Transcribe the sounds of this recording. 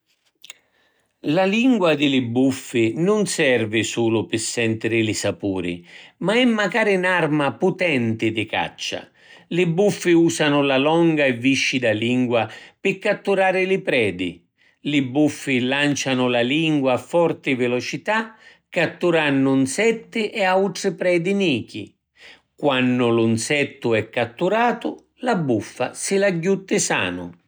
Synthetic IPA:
laliŋɡwad̪ɪlɪbufːɪnʊnsɛrvɪsuːlʊpɪsːɛnt̪ɪɾɪlɪsapuːɾɪ̰maɛmːakaːɾɪnarmaput̪ɛnt̪ɪd̪ɪka̰t͡ʃːa̰ | lɪbːufːɪuːsanʊlalɔŋɡaɛvːiʃːid̪aliŋɡwapɪkːat̪ːuɾaːɾɪlɪpɾɛːd̪ḭ | lɪbːufːilant͡ʃanʊlaliŋɡwaːfːɔrt̪ɪvɪlɔt͡ʃit̪akːat̪ːuɾanːʊnsɛt̪ːɪʔɛawt̪ɾɪpɾɛːd̪iniːkḭ | kwanːʊlʊnsɛt̪ːʊɛkːat̪ːuɾaːt̪ʊ | labːufːasɪlaɟːut̪ːɪsa̰ːnʊ̰

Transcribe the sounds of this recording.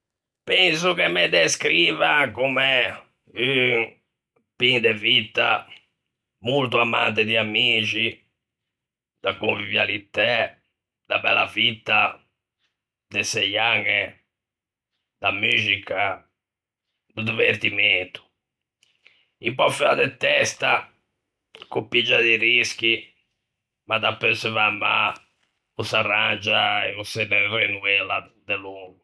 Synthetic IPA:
pɛns̬ukemːed̪eskɾiːvakumɛ | y | pind̪evit̪ːa | mult̪uamant̪ɪd̪iamiːt͡ʃi | d̪akoɱvivjalit̪ːɛ | d̪abɛ̰la̰vit̪ːa | d̪esɛjaŋːɛ | d̪amyːzika | d̪ud̪iveɾt̪iment̪u̥ | impɔfiad̪ɛt̪ːɛst̪a | kupid͡ʒad̪iɾisk̟i | mad̪apːøsɛvamːa | usarand͡ʒaɛusɛbɛvenuɛlad̪ɛluːɡu

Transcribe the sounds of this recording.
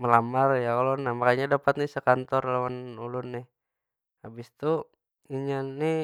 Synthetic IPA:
məlamarjakalonahmakaɲadapat̪̚nɪsəkant̪ɔrlawanulʊnːɪh | abɪst̪u | iɲani

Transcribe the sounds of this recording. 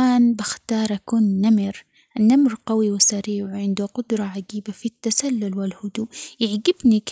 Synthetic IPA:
aːnbɪxt̪ɑːɾˤʔakuːnːamɪɾ | ʔnːamɾqawiwɪsaɾiːʕwʕɪnd̪ʊqʊd̪ɾˤɑʕaɡiːbafit̪ːasalːʊlwɪlhʊd̪ujɪʕɡɪbnik

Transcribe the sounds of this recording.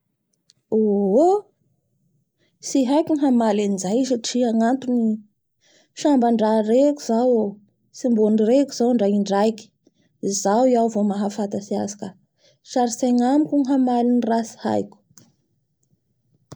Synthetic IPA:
oɦo | siɦajkʲuŋiɦamalinid͡zajiʃaʈ͡ʂiaŋant̪uni | ʃambaɳɖ͡ʐareku̥zawa | simbonirekuz̥awɳɖ͡ʐaiɳɖ͡ʐajki̥ | izawiawvomaɦafat̪asia̰sḁkə | ʃaɾisaŋamikʲuŋɦamalinirasi̥ha̰jkʲu̥

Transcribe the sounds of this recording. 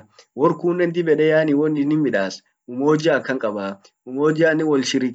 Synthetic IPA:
wɔɾkuːnːɛnd̪ɪbɛᶑɛjaːniwɔnːɪnːɪmɪᶑaːs | ʔʊmoːd͡ʒɪaːkːɐŋkʼɐbaː | ʊmoːd͡ʒɪanːɪwɔlʃɪɾɪ

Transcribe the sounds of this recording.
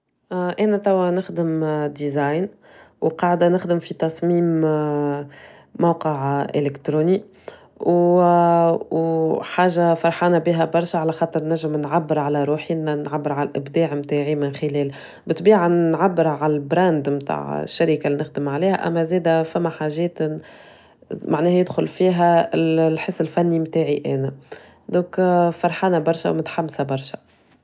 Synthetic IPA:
ʔæːnæt̪æwːænɪxd̪əmd̪izaːjn | wqɑːʕd̪anɪxd̪əmfit̪ɑsˤmiːm | mawqəʕʔɪ̰lɪkt̪ɾuːni | w | wħaːʒːafɑɾˤħɑːnæbiːɦæbɑɾˤʃaʕalæxɑːt̪ˤəɾˤnæʒːəmnʕabːəɾʕalæɾuːħinænʕabːɪɾʕalælʔɪbd̪aːʕmt̪aːʕimɪnxɪlɛːl | bɪt̪biːʕanʕabːɪɾʕalælbɾæːnd̪mt̪a̰ːʕ̰ʃːaɾikalinɪxd̪əmʕaliːhæ̰ʔæ̰mːæzɛːd̪æfæmːæħaʒɛːt̪ | maʕnɛːhjɪd̪xʊlfiːɦælħəsːɪlfænːimt̪aːʕiʔæ̰ːnæ | d̪õːkfɑɾˤħɑːnæbɑɾˤʃa̰wmɪt̪ħamːsæbɑɾˤʃæ

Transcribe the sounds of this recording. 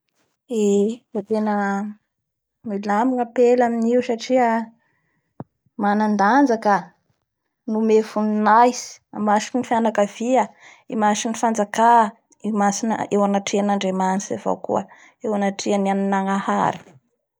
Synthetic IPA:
evot̪enə | milamiŋəpelaminiusaʈ͡ʂiə | manand̪and͡zakə | numefunnajsi̥amaʃi̥kinifianakav̥iə | imaʃinifand͡zaka | masinə̰ewanaʈ͡ʂianaɳɖ͡ʐemant͡s̪izeva̰wkṵə | ewanaʈ͡ʂiənianinaŋaha̰ɾi̥

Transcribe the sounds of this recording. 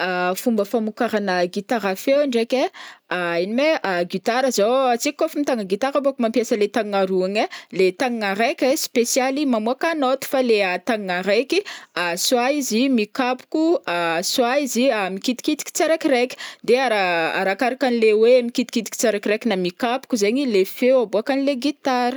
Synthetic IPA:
afumbəfamukaɾanəɡit̪aɾafewaɳɖ͡ʐekeainimeaɡit̪aɾəzoat͡sikːofimit̪aŋəɡit̪aɾabokmampjasəlet̪aŋaɾuaɲelet̪aŋŋaɾekespesialimamuakanot̪u̥faleat̪aŋŋaɾekiaswaizimikapu̥kuaswaiziamikit̪i̥kit̪i̥ki̥t͡saɾakiɾekʲi̥d̪eaɾaa̰ɾakaɾakanileweamikit̪i̥kit̪iki̥t͡seɾakiɾekinamikapu̥kuzeɲilefeaboakanileɡit̪aɾə̥

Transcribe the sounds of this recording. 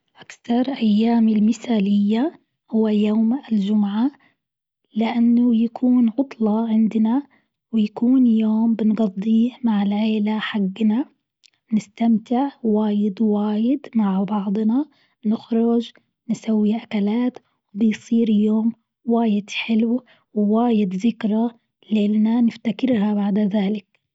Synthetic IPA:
ʔakθɑɾˤʔajːaːmɪlmɪθaːlɪjːa | hʊwːajoːmɪld͡ʒʊmʕa | lɪʔanːʊjakʰuːnʕʊt̪ˤlɑʕɪnd̪na | wɪjakuːnjoːmbɪnɡɑd̪ˤːiːhmaʕɪlʕeːlaħaɡːna | nɪst̪amt̪ɪʕwaːjɪd̪waːjɪd̪maʕbɑʕd̪ˤna | nɪxɾʊd͡ʒ | nsawːiʔakalaːt̪ | wbɪjsˤiːɾjoːm | waːjɪd̪ħɪlw | wwaːjɪd̪zɪkɾˤa | leːlnanɪft̪akɪɾhabaʕd̪ðaːlɪk̚

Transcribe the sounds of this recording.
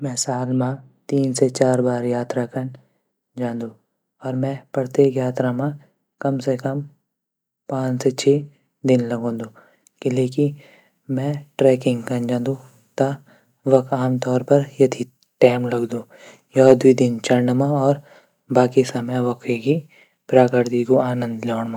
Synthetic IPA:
mɛ̃saːlmãt̪iːnset͡ʃaːɾbaːɾjaːt̪ɾakɐn | d͡ʒãːnd̪u | ɔːɾmɛ̃pɐɽt̪eːkjaːt̪ɾamã | kɐmsekɐm | pãːt͡ʃset͡ʃʰeː | d̪ɪnlɐɡõːd̪oː | kɪleːki | mɛ̃ʈɾɛːkɪ̃ŋɡkɐnd͡ʒãːnd̪u | t̪a | ʋɐkʰaːmt̪ɔːɾpɐɾjɐt̪ʰi | ʈaːmlɐɡd̪oː | jɔːd̪wid̪ɪnt͡ʃɐɾɳɖmãɔːɾ | baːkisɐmjãʋɐkʰeki | pɾaːkəɾd̪iɡoaːnə̃nd̪lɔːɳmãː

